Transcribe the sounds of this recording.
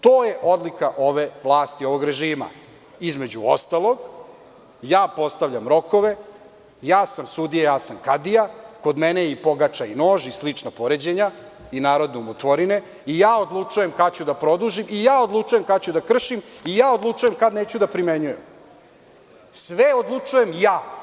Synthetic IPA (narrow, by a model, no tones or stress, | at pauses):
t̪o̞ːjeʔo̞d̪likaʔo̞ʋeʋlˠaːst̪io̞ʋo̞ɡɾe̞ʒiːma̰ | izme̞d͡ʑuo̰st̪alˠoɡ | jaːpo̞st̪aʋʎamɾo̞ko̞ʋe̞ | jaːsamsud̪ijejaːsamkad̪ijako̞d̪menejipo̞ɡat͡ʂaino̞ːʒislit͡ʂnapo̞ɾed͡ʑeɲa | inaːɾo̞d̪neumot̪ʋoɾine̞ | ijaːo̞d̪lˠut͡ʂuje̞mkat͡ɕud̪apɾo̞d̪uʒimijaːo̞d̪lˠut͡ʂujemkat͡ɕud̪akr̩ʃimijaːod̪lˠut͡ʂuje̞mkad̪neːt͡ɕud̪apɾimeɲujem | sʋeod̪lˠut͡ʂuje̞mjaː